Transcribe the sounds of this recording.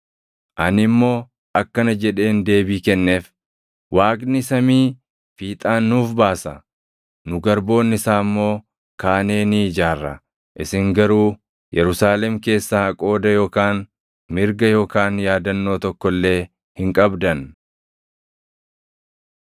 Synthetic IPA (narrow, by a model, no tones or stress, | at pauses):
ʔɐnɪmːo̞ː | ʔɐkːɐnɐd͡ʒɛᶑe̞ːnd̪e̞ːbiːkɛnːe̞ːf | wʔaːkʼnɪsɐmiː | fiːt̪ʼaːnːuːfbaːsɐ̰ | nʊɡɐɾbo̞ːnːɪsaːmːo̞ː | kaːne̞ːnɪd͡ʒaːrːɐ̰ | ʔɪsɪŋɡɐɾuː | jɛɾʊsaːlɛmke̞ːsːaɐkʼo̞ːd̪ɐjo̞ːkaːn | mɪɾɡɐjo̞ːkaːnjaːd̪ɐnːo̞ːt̪ɔkːɔlːe̞ː | hɪŋkʼɐbd̪ɐn